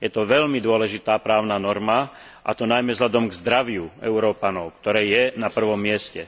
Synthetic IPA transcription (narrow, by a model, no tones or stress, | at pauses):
jɛt̪ɔʋɛʎmid̪ʊɔlɛʒit̪aːpɾaːʊnanɔɾma | ʔa̰t̪ɔnajmɛzɦʎad̪ɔmɡzd̪ɾaʋɪuɛ̰ʊɾɔːpanɔʊkt̪ɔɾɛːjɛnapr̩ʋɔmːɪɛscɛ